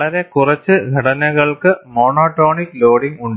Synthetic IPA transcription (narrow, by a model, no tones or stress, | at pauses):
ɭɐɾe̞kurɐt͡ɕːɨɡʱɐɽɐnɐɣɐɭkɨmo̞ːnoːʈːo̞ːɳikloːɽiŋɡuɳɖ